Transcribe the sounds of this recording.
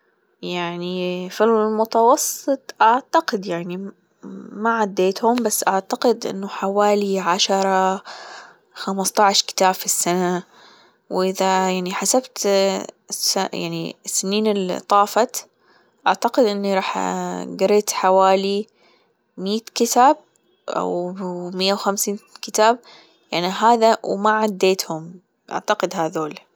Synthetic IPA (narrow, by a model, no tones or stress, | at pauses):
jaʕnifilmʊt̪ɑwɑsˤːɨt̪ˤʔaʕt̪aqɪd̪jaʕni | maʕad̪ːeːt̪hʊmbasːʔaʕt̪aqɪd̪ʔɪ̰nːʊħawaːliʕaʃɑɾˤɑ | xamɑst̪ˤɑʕʃkɪ̥t̪aːb̥fisːana | wʔɪðajaʕniħasabt̪ | saja̰ʕnisːɪniːnɪlt̪ˤːɑːfɑt̪ | ʔaʕt̪aqɪd̪ʔɪnːiɾˤɑːħɡaɾiːt̪ħawaːli | miːt̪kɪt̪aːb̚ | ʔa̰wmɪjːawxamsiːnkɪt̪aːb̚ | jaʕniɦaːðawmaʕad̪ːeːt̪hʊm | ʔa̰ʕt̪aqɪd̪ɦaðoːl